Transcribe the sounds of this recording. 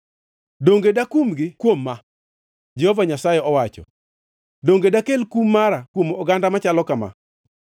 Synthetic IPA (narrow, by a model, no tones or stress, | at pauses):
doŋɡedakumɡɪkwomːa | d͡ʒɛhovaɲasajɛɔwat͡ʃɔ̰ | doŋɡedakelkumːaɾakwomɔɡandamat͡ʃalɔkama̰